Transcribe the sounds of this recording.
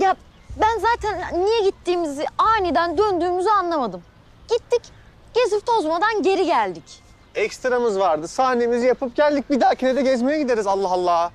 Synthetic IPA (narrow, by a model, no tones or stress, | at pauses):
ja | bænzaːt̪ʰænːijɛɟit̪ʰːiːmiziaːnid̪ænd̪ønd̪yːmyzyanlˠamad̪ɯm | ɟ̥it̪ʰːic | ɟ̥e̞zift̪ʰo̞zmad̪anɟe̞ɾiɟælʲd̪ic | ɛcst̪ɾamɯzvaɾd̪ɯsaːnemizijapʰɯp̚ɟælʲd̪ic̚bid̪aɾcʰened̪ɛɟɛzmejɛɟid̪eɾizalˠːaɦalˠːaː